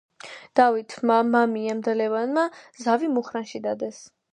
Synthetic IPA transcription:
d̪̥avit̪ʰmamamiamd̪alɛvanmazavimuχɾanʃid̪ad̪ɛs

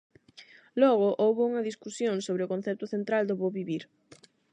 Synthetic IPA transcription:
lɔɣ̞ʊʔowβʊuŋɐðiskusjoŋsoβɾeʊkon̟θɛɾt̪ʊθent̪ɾald̪ʊβoβiβiɾ

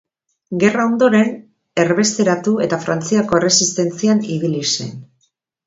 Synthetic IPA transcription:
ɡe̞rao̞nd̪o̞ɾe̞n | e̞ɾβe̞st̪e̞ɾat̪ue̞t̪afɾant͡siako̞e̞re̞sist̪e̞nt͡sianiβilise̞̰n

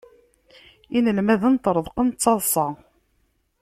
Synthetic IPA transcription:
inəlmæðənt̪ɾˤəðˤqənt͡sːɑðˤsˤɑ

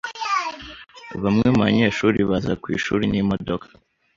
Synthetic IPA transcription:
βamŋemβaɲe̞ːʃuːɾiβazakwḭːʃuːɾinimo̞dokʰḁ

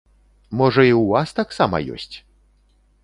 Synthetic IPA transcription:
mɔʐɐiwuvast̪aksamɐ̰jɔ̰sʲt͡sʲ

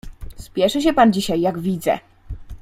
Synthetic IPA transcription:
spʲjɛʂɛɕ̬ɛpand͡ʑiɕajːaɡvʲid̪zɛ̰

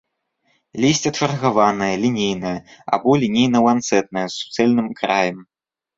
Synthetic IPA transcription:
lʲisʲt͡sʲɐt͡ʂɐrɣavanɐjɐlʲinʲejnɐjɐa̰bɔlʲinʲejnɐwant̪sɛt̪̚nɐjɐsːu̥t̪sɛlʲnɨmkɾajɐm

